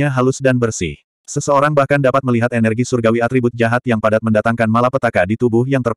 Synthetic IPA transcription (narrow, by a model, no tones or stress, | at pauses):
aɦalʊsdanbərsḭh | səsəoɾaŋbahkandapat̪̚məliɦat̪enɛrɡisurɡawiat̪ɾibʊt̪̚d͡ʒaɦat̪̚jaŋpadat̪̚məndat̪aŋkanmalapət̪akadit̪ubuhjaŋt̪ər